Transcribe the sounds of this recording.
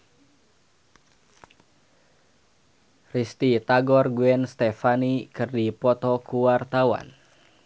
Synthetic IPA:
rist̪it̪aɡɔrɡuɛnst̪ɛfanikɨrdipɔt̪ɔkuwart̪awa̰n

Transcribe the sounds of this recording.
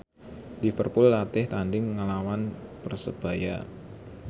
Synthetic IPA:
lifərpʊlːat̪ɪht̪andɪŋːalawanpərsəb̥a̤ja̰

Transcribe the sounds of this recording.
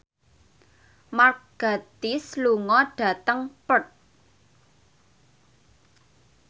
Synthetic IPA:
marɡ̥a̤t̪isluŋɔɖ̥a̤t̪əŋpət̪̚

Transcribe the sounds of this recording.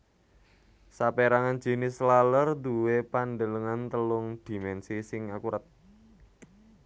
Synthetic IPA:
sapeɾaŋan̥d͡ʒ̥i̤nɪslalərd̪uwepanɖələŋant̪əlʊŋd̪̥i̤mɛnsisɪŋakuɾʔat̪̚

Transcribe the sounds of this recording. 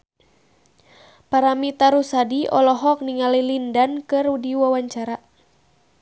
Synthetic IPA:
paɾamit̪aɾusadiɔ̰lɔɦɔk̚niŋalilindankɨrudiwawaɲt͡ʃaɾa

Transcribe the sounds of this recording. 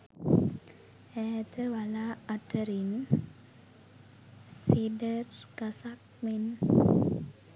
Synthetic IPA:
ɛt̪əwalaat̪əɾin | sidərkasak̚men

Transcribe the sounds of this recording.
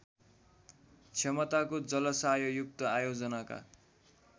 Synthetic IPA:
t͡sʰjʌmʌt̪akod͡zʌlʌsajojuk̚t̪ʌajod͡zʌnaka̰

